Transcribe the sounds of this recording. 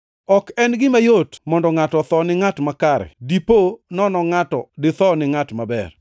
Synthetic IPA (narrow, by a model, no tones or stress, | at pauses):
ɔkɛnɡɪmajotmɔndɔŋatɔt̪ɔnɪŋatmakaɾɛ̰diponɔnɔŋatɔdɪt̪ɔnɪŋatmabɛ̰r